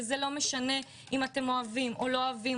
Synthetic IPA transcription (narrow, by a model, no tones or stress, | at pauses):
zelo̞meʃane̞ | imate̞mo̞avimʔo̞lo̞avi